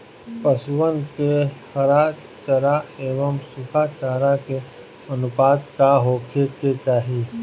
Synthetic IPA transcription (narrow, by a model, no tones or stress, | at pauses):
pəswənkehɐɾaː | t͡ʃəɾaeːʋəmsʊkʰat͡ʃaːɾake | ɐnʊpaːd̪kaɦoːkʰeket͡ʃaːɦi